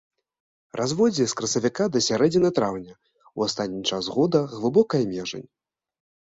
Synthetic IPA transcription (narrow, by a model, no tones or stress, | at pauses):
rʔazvɔd͡zʲiskɾɐsɐvʲikad̪ɐsʲaɾɛd͡zʲinɐt̪ɾawnʲɐ | wast̪at̪ʲnʲit͡ʂazɣɔd̪ɐɣlˠɨbɔkɐjɐmʲɛʐɐ̰nʲ